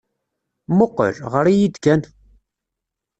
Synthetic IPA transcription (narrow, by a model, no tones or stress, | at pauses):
mʊqːə̰lʁəɾijid̪kæn